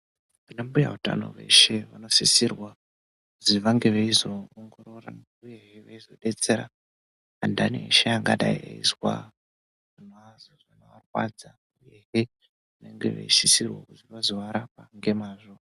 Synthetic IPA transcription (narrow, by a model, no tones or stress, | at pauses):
ʋanambuja̰uta̰no̞̰ʋe̞̰ʃe̞ʋano̞sisirwa | kuziʋaŋɡe̞ʋeizo̞ːŋɡo̞ɾo̞ra̰ | uje̞ɦeʋeizo̞ɗe̞t͡se̞ɾa̰ | andanḛiʃejaŋɡaɗaiḛizwa̰ | anazoanoʋarwa̰d͡za | uuje̞ɦe | ʋane̞ŋɡe̞̰ʋḛisisirwa̰kuziʋazoʋaɾapaŋɡe̞maːʐo